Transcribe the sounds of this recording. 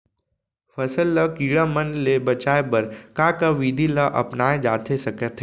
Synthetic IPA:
fɐsəlːəkiːɽamənlebɐt͡ʃaːebɐɾkaːkaʋiːd̪ʱilaʔɐ̰pnaːed͡ʒaːt̪ʰesɐkət̪ʰe

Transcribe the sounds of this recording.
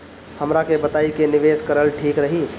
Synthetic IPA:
həmɾakebət̪aikeniʋeskəɾəlʈʰiːkɾəɦi

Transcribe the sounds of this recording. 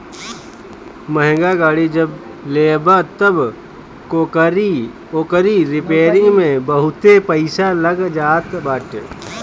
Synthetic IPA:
məɦŋ̆ɡaɡaːɽid͡ʒɐb | leːbat̪əb | koɾi | okəɾiɾɪpeːɾɪ̃ŋɡmẽbəɦʊt̪epəɪsalɐɡd͡ʒaːt̪bəʈ

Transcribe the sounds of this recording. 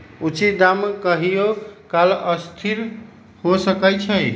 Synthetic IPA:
ut͡ʃid̪amkəɦijokaləst̪ʰiɾ | hosəkət͡ʃʰəj

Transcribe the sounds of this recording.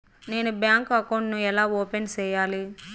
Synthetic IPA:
ne̞ːnubjaːŋkɐkɐwɳɖnuɛlaːoːpent͡ʃɛːjaːli

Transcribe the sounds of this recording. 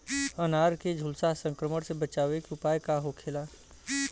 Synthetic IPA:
ənaːɾked͡ʒʱʊlsasə̃ŋkɾəməɽsebət͡ʃaːʋekʊpaːjkaɦokʰeːlaː

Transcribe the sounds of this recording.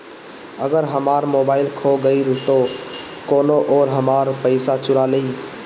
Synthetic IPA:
əɡəɾɦəmaːɾmoːbaːɪlkʰoɡəilt̪o | koːnoʔɔːɾɦəmaːɾpəɪsat͡ʃʊɾale

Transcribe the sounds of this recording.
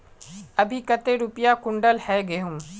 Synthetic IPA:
ɐbʱikɐt̪eɾʊpjakʊ̃ɳɖəlhɛɡeːɦʊ̃m

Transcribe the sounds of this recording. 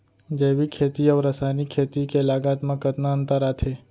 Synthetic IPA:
d͡ʒeʋikʰet̪iəʋɾəsanikʰːet̪ikelaɡat̪mãkət̪naənt̪əɾat̪ʰe

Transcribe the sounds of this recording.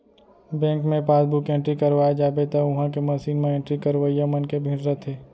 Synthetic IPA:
bɛ̃ːŋkmẽpaːsbʊkẽɳʈɾikəɾʋaːjad͡ʒaːbet̪ɐʊɦãkemɐʃiːnmẽẽːɳʈɾikəɾʋəijamənkebʱĩɾɾət̪ʰeː

